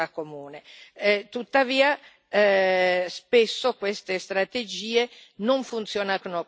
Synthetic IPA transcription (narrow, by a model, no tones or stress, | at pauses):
akːomuːneɛt̪ut̪ːaviːa | spesːokwest̪est̪ɾat̪ed͡ʒiːenoɱfunt̪sjɔːnakono